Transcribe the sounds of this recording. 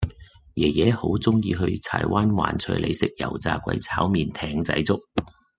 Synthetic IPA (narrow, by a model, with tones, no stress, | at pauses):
jɛː˨˩jɛː˨˥ho˨˥wt͡sʊ˥ŋjiː˧ɦɵ˧ɥt͡sʰa̰ː˨˩jwaː˥nwa̰ː˨˩nt͡ʃʰœ̰˧lʔḛ˧jsɪ˨k̚jɐ̰˨˩wt͡saː˧kʷɐ̰˨˥jt͡sʰaː˨˥wmiː˨˧nt̪ʰɛː˧ŋt͡sɐ̰˨˥jt͡sʊ˥k̚